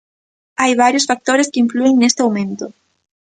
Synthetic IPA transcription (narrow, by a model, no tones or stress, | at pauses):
ajβaɾjosfak̚t̪oɾeskɪiɱflueŋnest̪ɪawmẽnt̪ʊ